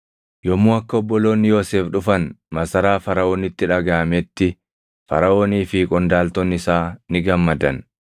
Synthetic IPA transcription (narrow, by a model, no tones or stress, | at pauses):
jɔmːuːɐkːɐɔbːɔlo̞ːnːɪjo̞ːseːfᶑʊfɐnmɐsɐɾaːfɐɾɐʔo̞ːnːɪt̪ːɪᶑɐɡaːmɛt̪ːɪ | fɐ̰ɾɐo̞ːniːfiːkʼɔnd̪aːlt̪ɔnːɪsaːnɪɡɐmːɐd̪ɐn